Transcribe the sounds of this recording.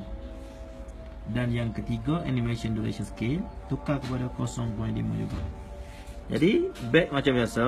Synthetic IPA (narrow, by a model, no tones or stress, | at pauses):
danjaŋkət̪iɡaʔanimeʃiɔnduɾḛʃənskelt̪ukakəpadakɔsɔŋpɔj̃ndimə̰d͡ʒo̰ba̰ | d͡ʒa̰dibɛk̚mat͡ʃambiasa